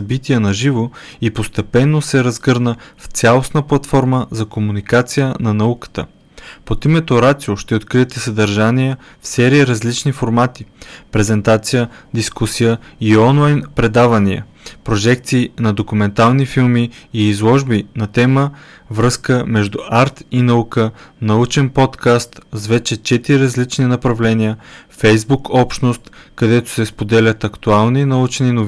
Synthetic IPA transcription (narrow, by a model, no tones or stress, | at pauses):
sɐbit̪iɛnɐʒivo | ipost̪ɛpɛnːosɛɾɐzɡɤɾnəft̪sʲalˠosnəplˠɐt̪fɔɾməzɐkomunikat̪sijənɐnɐukə̥t̪ə̰ | pot̪imɛt̪oɾat̪sioʃt̪ɛot̪kɾiɛt̪ɛsɐd̪ɐɾʒaniə | fsɛɾiəɾɐzlit͡ʃnifoɾmat̪i̥pɾɛzɛnt̪at̪sijəd̪iskusijəiɔnlˠajnpɾɛd̪avɐniə̰ | pɾoʒɛk̚t̪siːnɐd̪okumɛnt̪alˠnifilˠmiːzlˠɔʒbinɐt̪ɛmə | vɾɤskəmɛʒd̪uʔaɾt̪inɐukənɐut͡ʃɛnpɔt̪kast̪zvɛt͡ʃɛt͡ʃɛt̪iɾiɾɐzlit͡ʃninɐpɾɐvlɛnijəfɛjzbukɔpʃt̪nost̪kɐd̪ɛt̪o̥sɛspod̪ɛlʲət̪ɐkt̪ualˠninɐut͡ʃɛninov